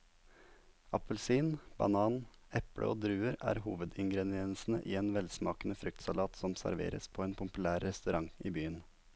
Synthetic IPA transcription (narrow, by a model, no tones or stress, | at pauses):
ɑpəlsiːnb̥ɑ̰nɑːn | ɛpɽʔə̰ʔoːd̪ɾʉːəɾæ̰ːɾhuːʋəd̪ɪŋɡɾɛd̪ɪɛnsn̩əʔiːeːnʋɛlsmɑːkənəfɾʏk̚t̪sɑlɑːt̪sɔmsæ̰ɾʋḛːɾə̰spʰoːeːnpʰʊmpʉlæːɾːɛst̪ʉɾɑŋiːbyːən